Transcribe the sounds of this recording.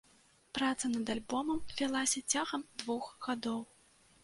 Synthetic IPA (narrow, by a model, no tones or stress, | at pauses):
pɾat̪sɐnɐd̪alʲbɔmɐmvʲalˠasʲɐt͡sʲaɣɐmd̪vuxɣad̪ɔw